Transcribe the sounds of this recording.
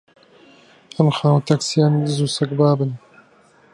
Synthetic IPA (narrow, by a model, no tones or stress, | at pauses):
ɐmxaːwt̪ʰaksijaːmd̪ɨzuːsɐkbaːbɨn